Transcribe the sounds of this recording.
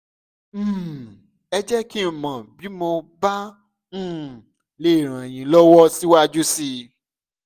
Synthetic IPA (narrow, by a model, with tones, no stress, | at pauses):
ɛ˧d͡ʒɛ˦ki˦˨mã˨bi˨˦mo˧ba˦ | ñ̩ː˦˨ | le˦˨ɾ̃ã˨j̃ĩ˧lɔ˦wɔ˦si˦wa˦d͡ʒu˦si˧